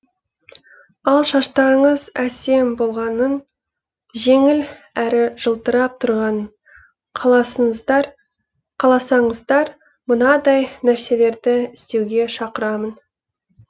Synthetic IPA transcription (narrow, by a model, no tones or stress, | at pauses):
ɑlˠʃɑʃt̪ɑɾəɴəzæse̞mbo̞lˠʁɑnən | ʒe̞ŋɪlæɾɪʒ̥əlˠt̪əɾɑp̚t̪ʰʊɾʁɑn | qʰɑlˠɑsəɴzd̪ɑɾ | qʰɑlˠɑsɑɴəzd̪ɑɾ | mənɑd̪ɑjnæɾse̞le̞ɾd̪ɪɪst̪e̞wɡʲe̞ʃɑqəɾɑmən